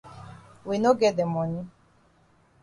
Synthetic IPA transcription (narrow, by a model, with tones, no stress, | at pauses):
we˨no˦ɡɛ˦dɛ˨mɔ˨ni˦